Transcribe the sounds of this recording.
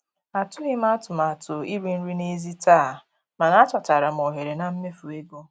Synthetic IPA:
a˨tʊ˦ɦɪ˦m̩˦a˦tʊ˨ma˨tʊ˨i˦ɾi˨n̩˦ɾi˦ne˦zi˦taː˦˨ | ma˨na˦tɔ˨ta˨ɾa˨m̩˨ɔ˨ɦe˨ɾe˨na˨m̩˦me˦fu˨e˦ɡo˦

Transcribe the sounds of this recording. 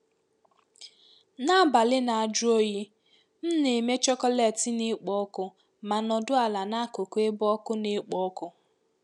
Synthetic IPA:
na˦˨ba˨lɪ˦na˨a˨d͡ʒʊ˦o˦ji˦ | m̩˦ne˨me˦t͡ʃɔ˦kɔ˦lɛ˨tɪ˦nɪ˦k͡pɔ˦ɔ˦kʊ˦ | ma˨nɔ˨dʊ˦a˨la˨na˦kʊ˨kʷe˦bɔ˦kʊ˦ne˦k͡pɔ˦kʊ˦

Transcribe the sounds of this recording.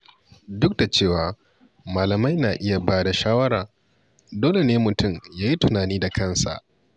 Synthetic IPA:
dʊ˦k̚da˨t͡ʃeː˦˨waː˨ | maː˨lɐ˨ma˦jnaː˨ʔɪ˦ja˨baː˦da˨ʃaː˦wɐ˦ɾaː˨ | doː˦le˨neː˦mʊ˨tʊ˦˨mjaː˦ji˦tʊ˨naː˨niː˦da˨kʰɐ˦˨nsa̰˨ʔ

